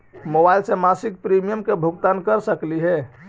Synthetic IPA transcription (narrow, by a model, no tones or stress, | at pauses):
mobajlsemasik̚pɾimijəmkebʱuɡt̪ankəɾsəkliɦɛ